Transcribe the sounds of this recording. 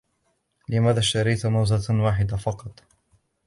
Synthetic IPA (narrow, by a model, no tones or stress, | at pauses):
lɪmaːðaːʃt̪ɑɾɪjt̪mawzawaːħɪd̪afɑqɑt̪ˤ